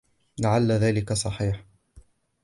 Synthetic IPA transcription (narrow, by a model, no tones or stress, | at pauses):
laʕalːaðaːlɪkasˤɑħiːħ